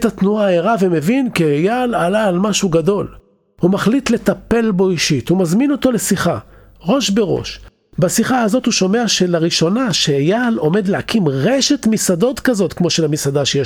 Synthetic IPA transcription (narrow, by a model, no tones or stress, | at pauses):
etat̪nuaaeʁaveme̞vinkejalalaːlmaʃuɡado̞l | humaχlit̪let̪ape̞lbo̞iʃit̪humazmino̞to̞le̞siχa | ʁo̞ʃbe̞ʁo̞̰ʃ | basiχaazo̞thuʃo̞me̞aʃelaʁiʃo̞naʃejalo̞me̞d̪lehakʰimʁeʃet̪misado̞t̪kazo̞tkmo̞ʃelamisadaʃeje